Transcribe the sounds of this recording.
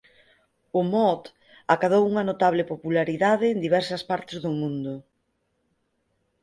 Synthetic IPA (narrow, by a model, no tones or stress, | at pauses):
ʊmɔt̪ | akaðowuŋɐnot̪aβ̞lɪpopulaɾiðaðɪːnd̪iβɛɾsɐspaɾt̪ɪzðʊmũnd̪ʊ